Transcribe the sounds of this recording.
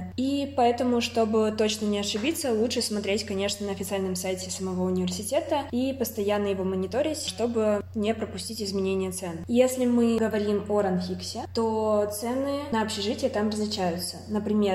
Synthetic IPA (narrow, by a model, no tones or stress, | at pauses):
ipɐɛt̪əmʊʂt̪o̞bɨt̪o̞t͡ɕnənʲɪɐʂɨbʲit̪səlˠutʂɨsmɐt̪ɾʲetʲkɐnʲe̞ʂnənəɐfʲɪt̪sɨalʲnəmsajtʲɪsəmɐvo̞ʊnʲɪvʲɪrsʲɪtʲe̞t̪əipəst̪ɐjanːəjɪvo̞mənʲɪt̪oɾʲɪtʲʂt̪o̞bɨnʲepɾəpʊsʲtʲitʲɪzmʲɪnʲenʲɪjət̪sɛnjesʲlʲɪmɨɡəvɐɾʲimoɾɐnfʲiksʲɪt̪ot̪sɛnɨnəɐpɕɪʐɨtʲɪjət̪amrəzlʲɪt͡ɕæjʊt̪sənəpɾʲɪmʲe̞r